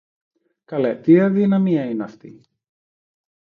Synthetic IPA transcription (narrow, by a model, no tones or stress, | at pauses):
kɐlet̪iɐðinɐmiɐinɐft̪ḭ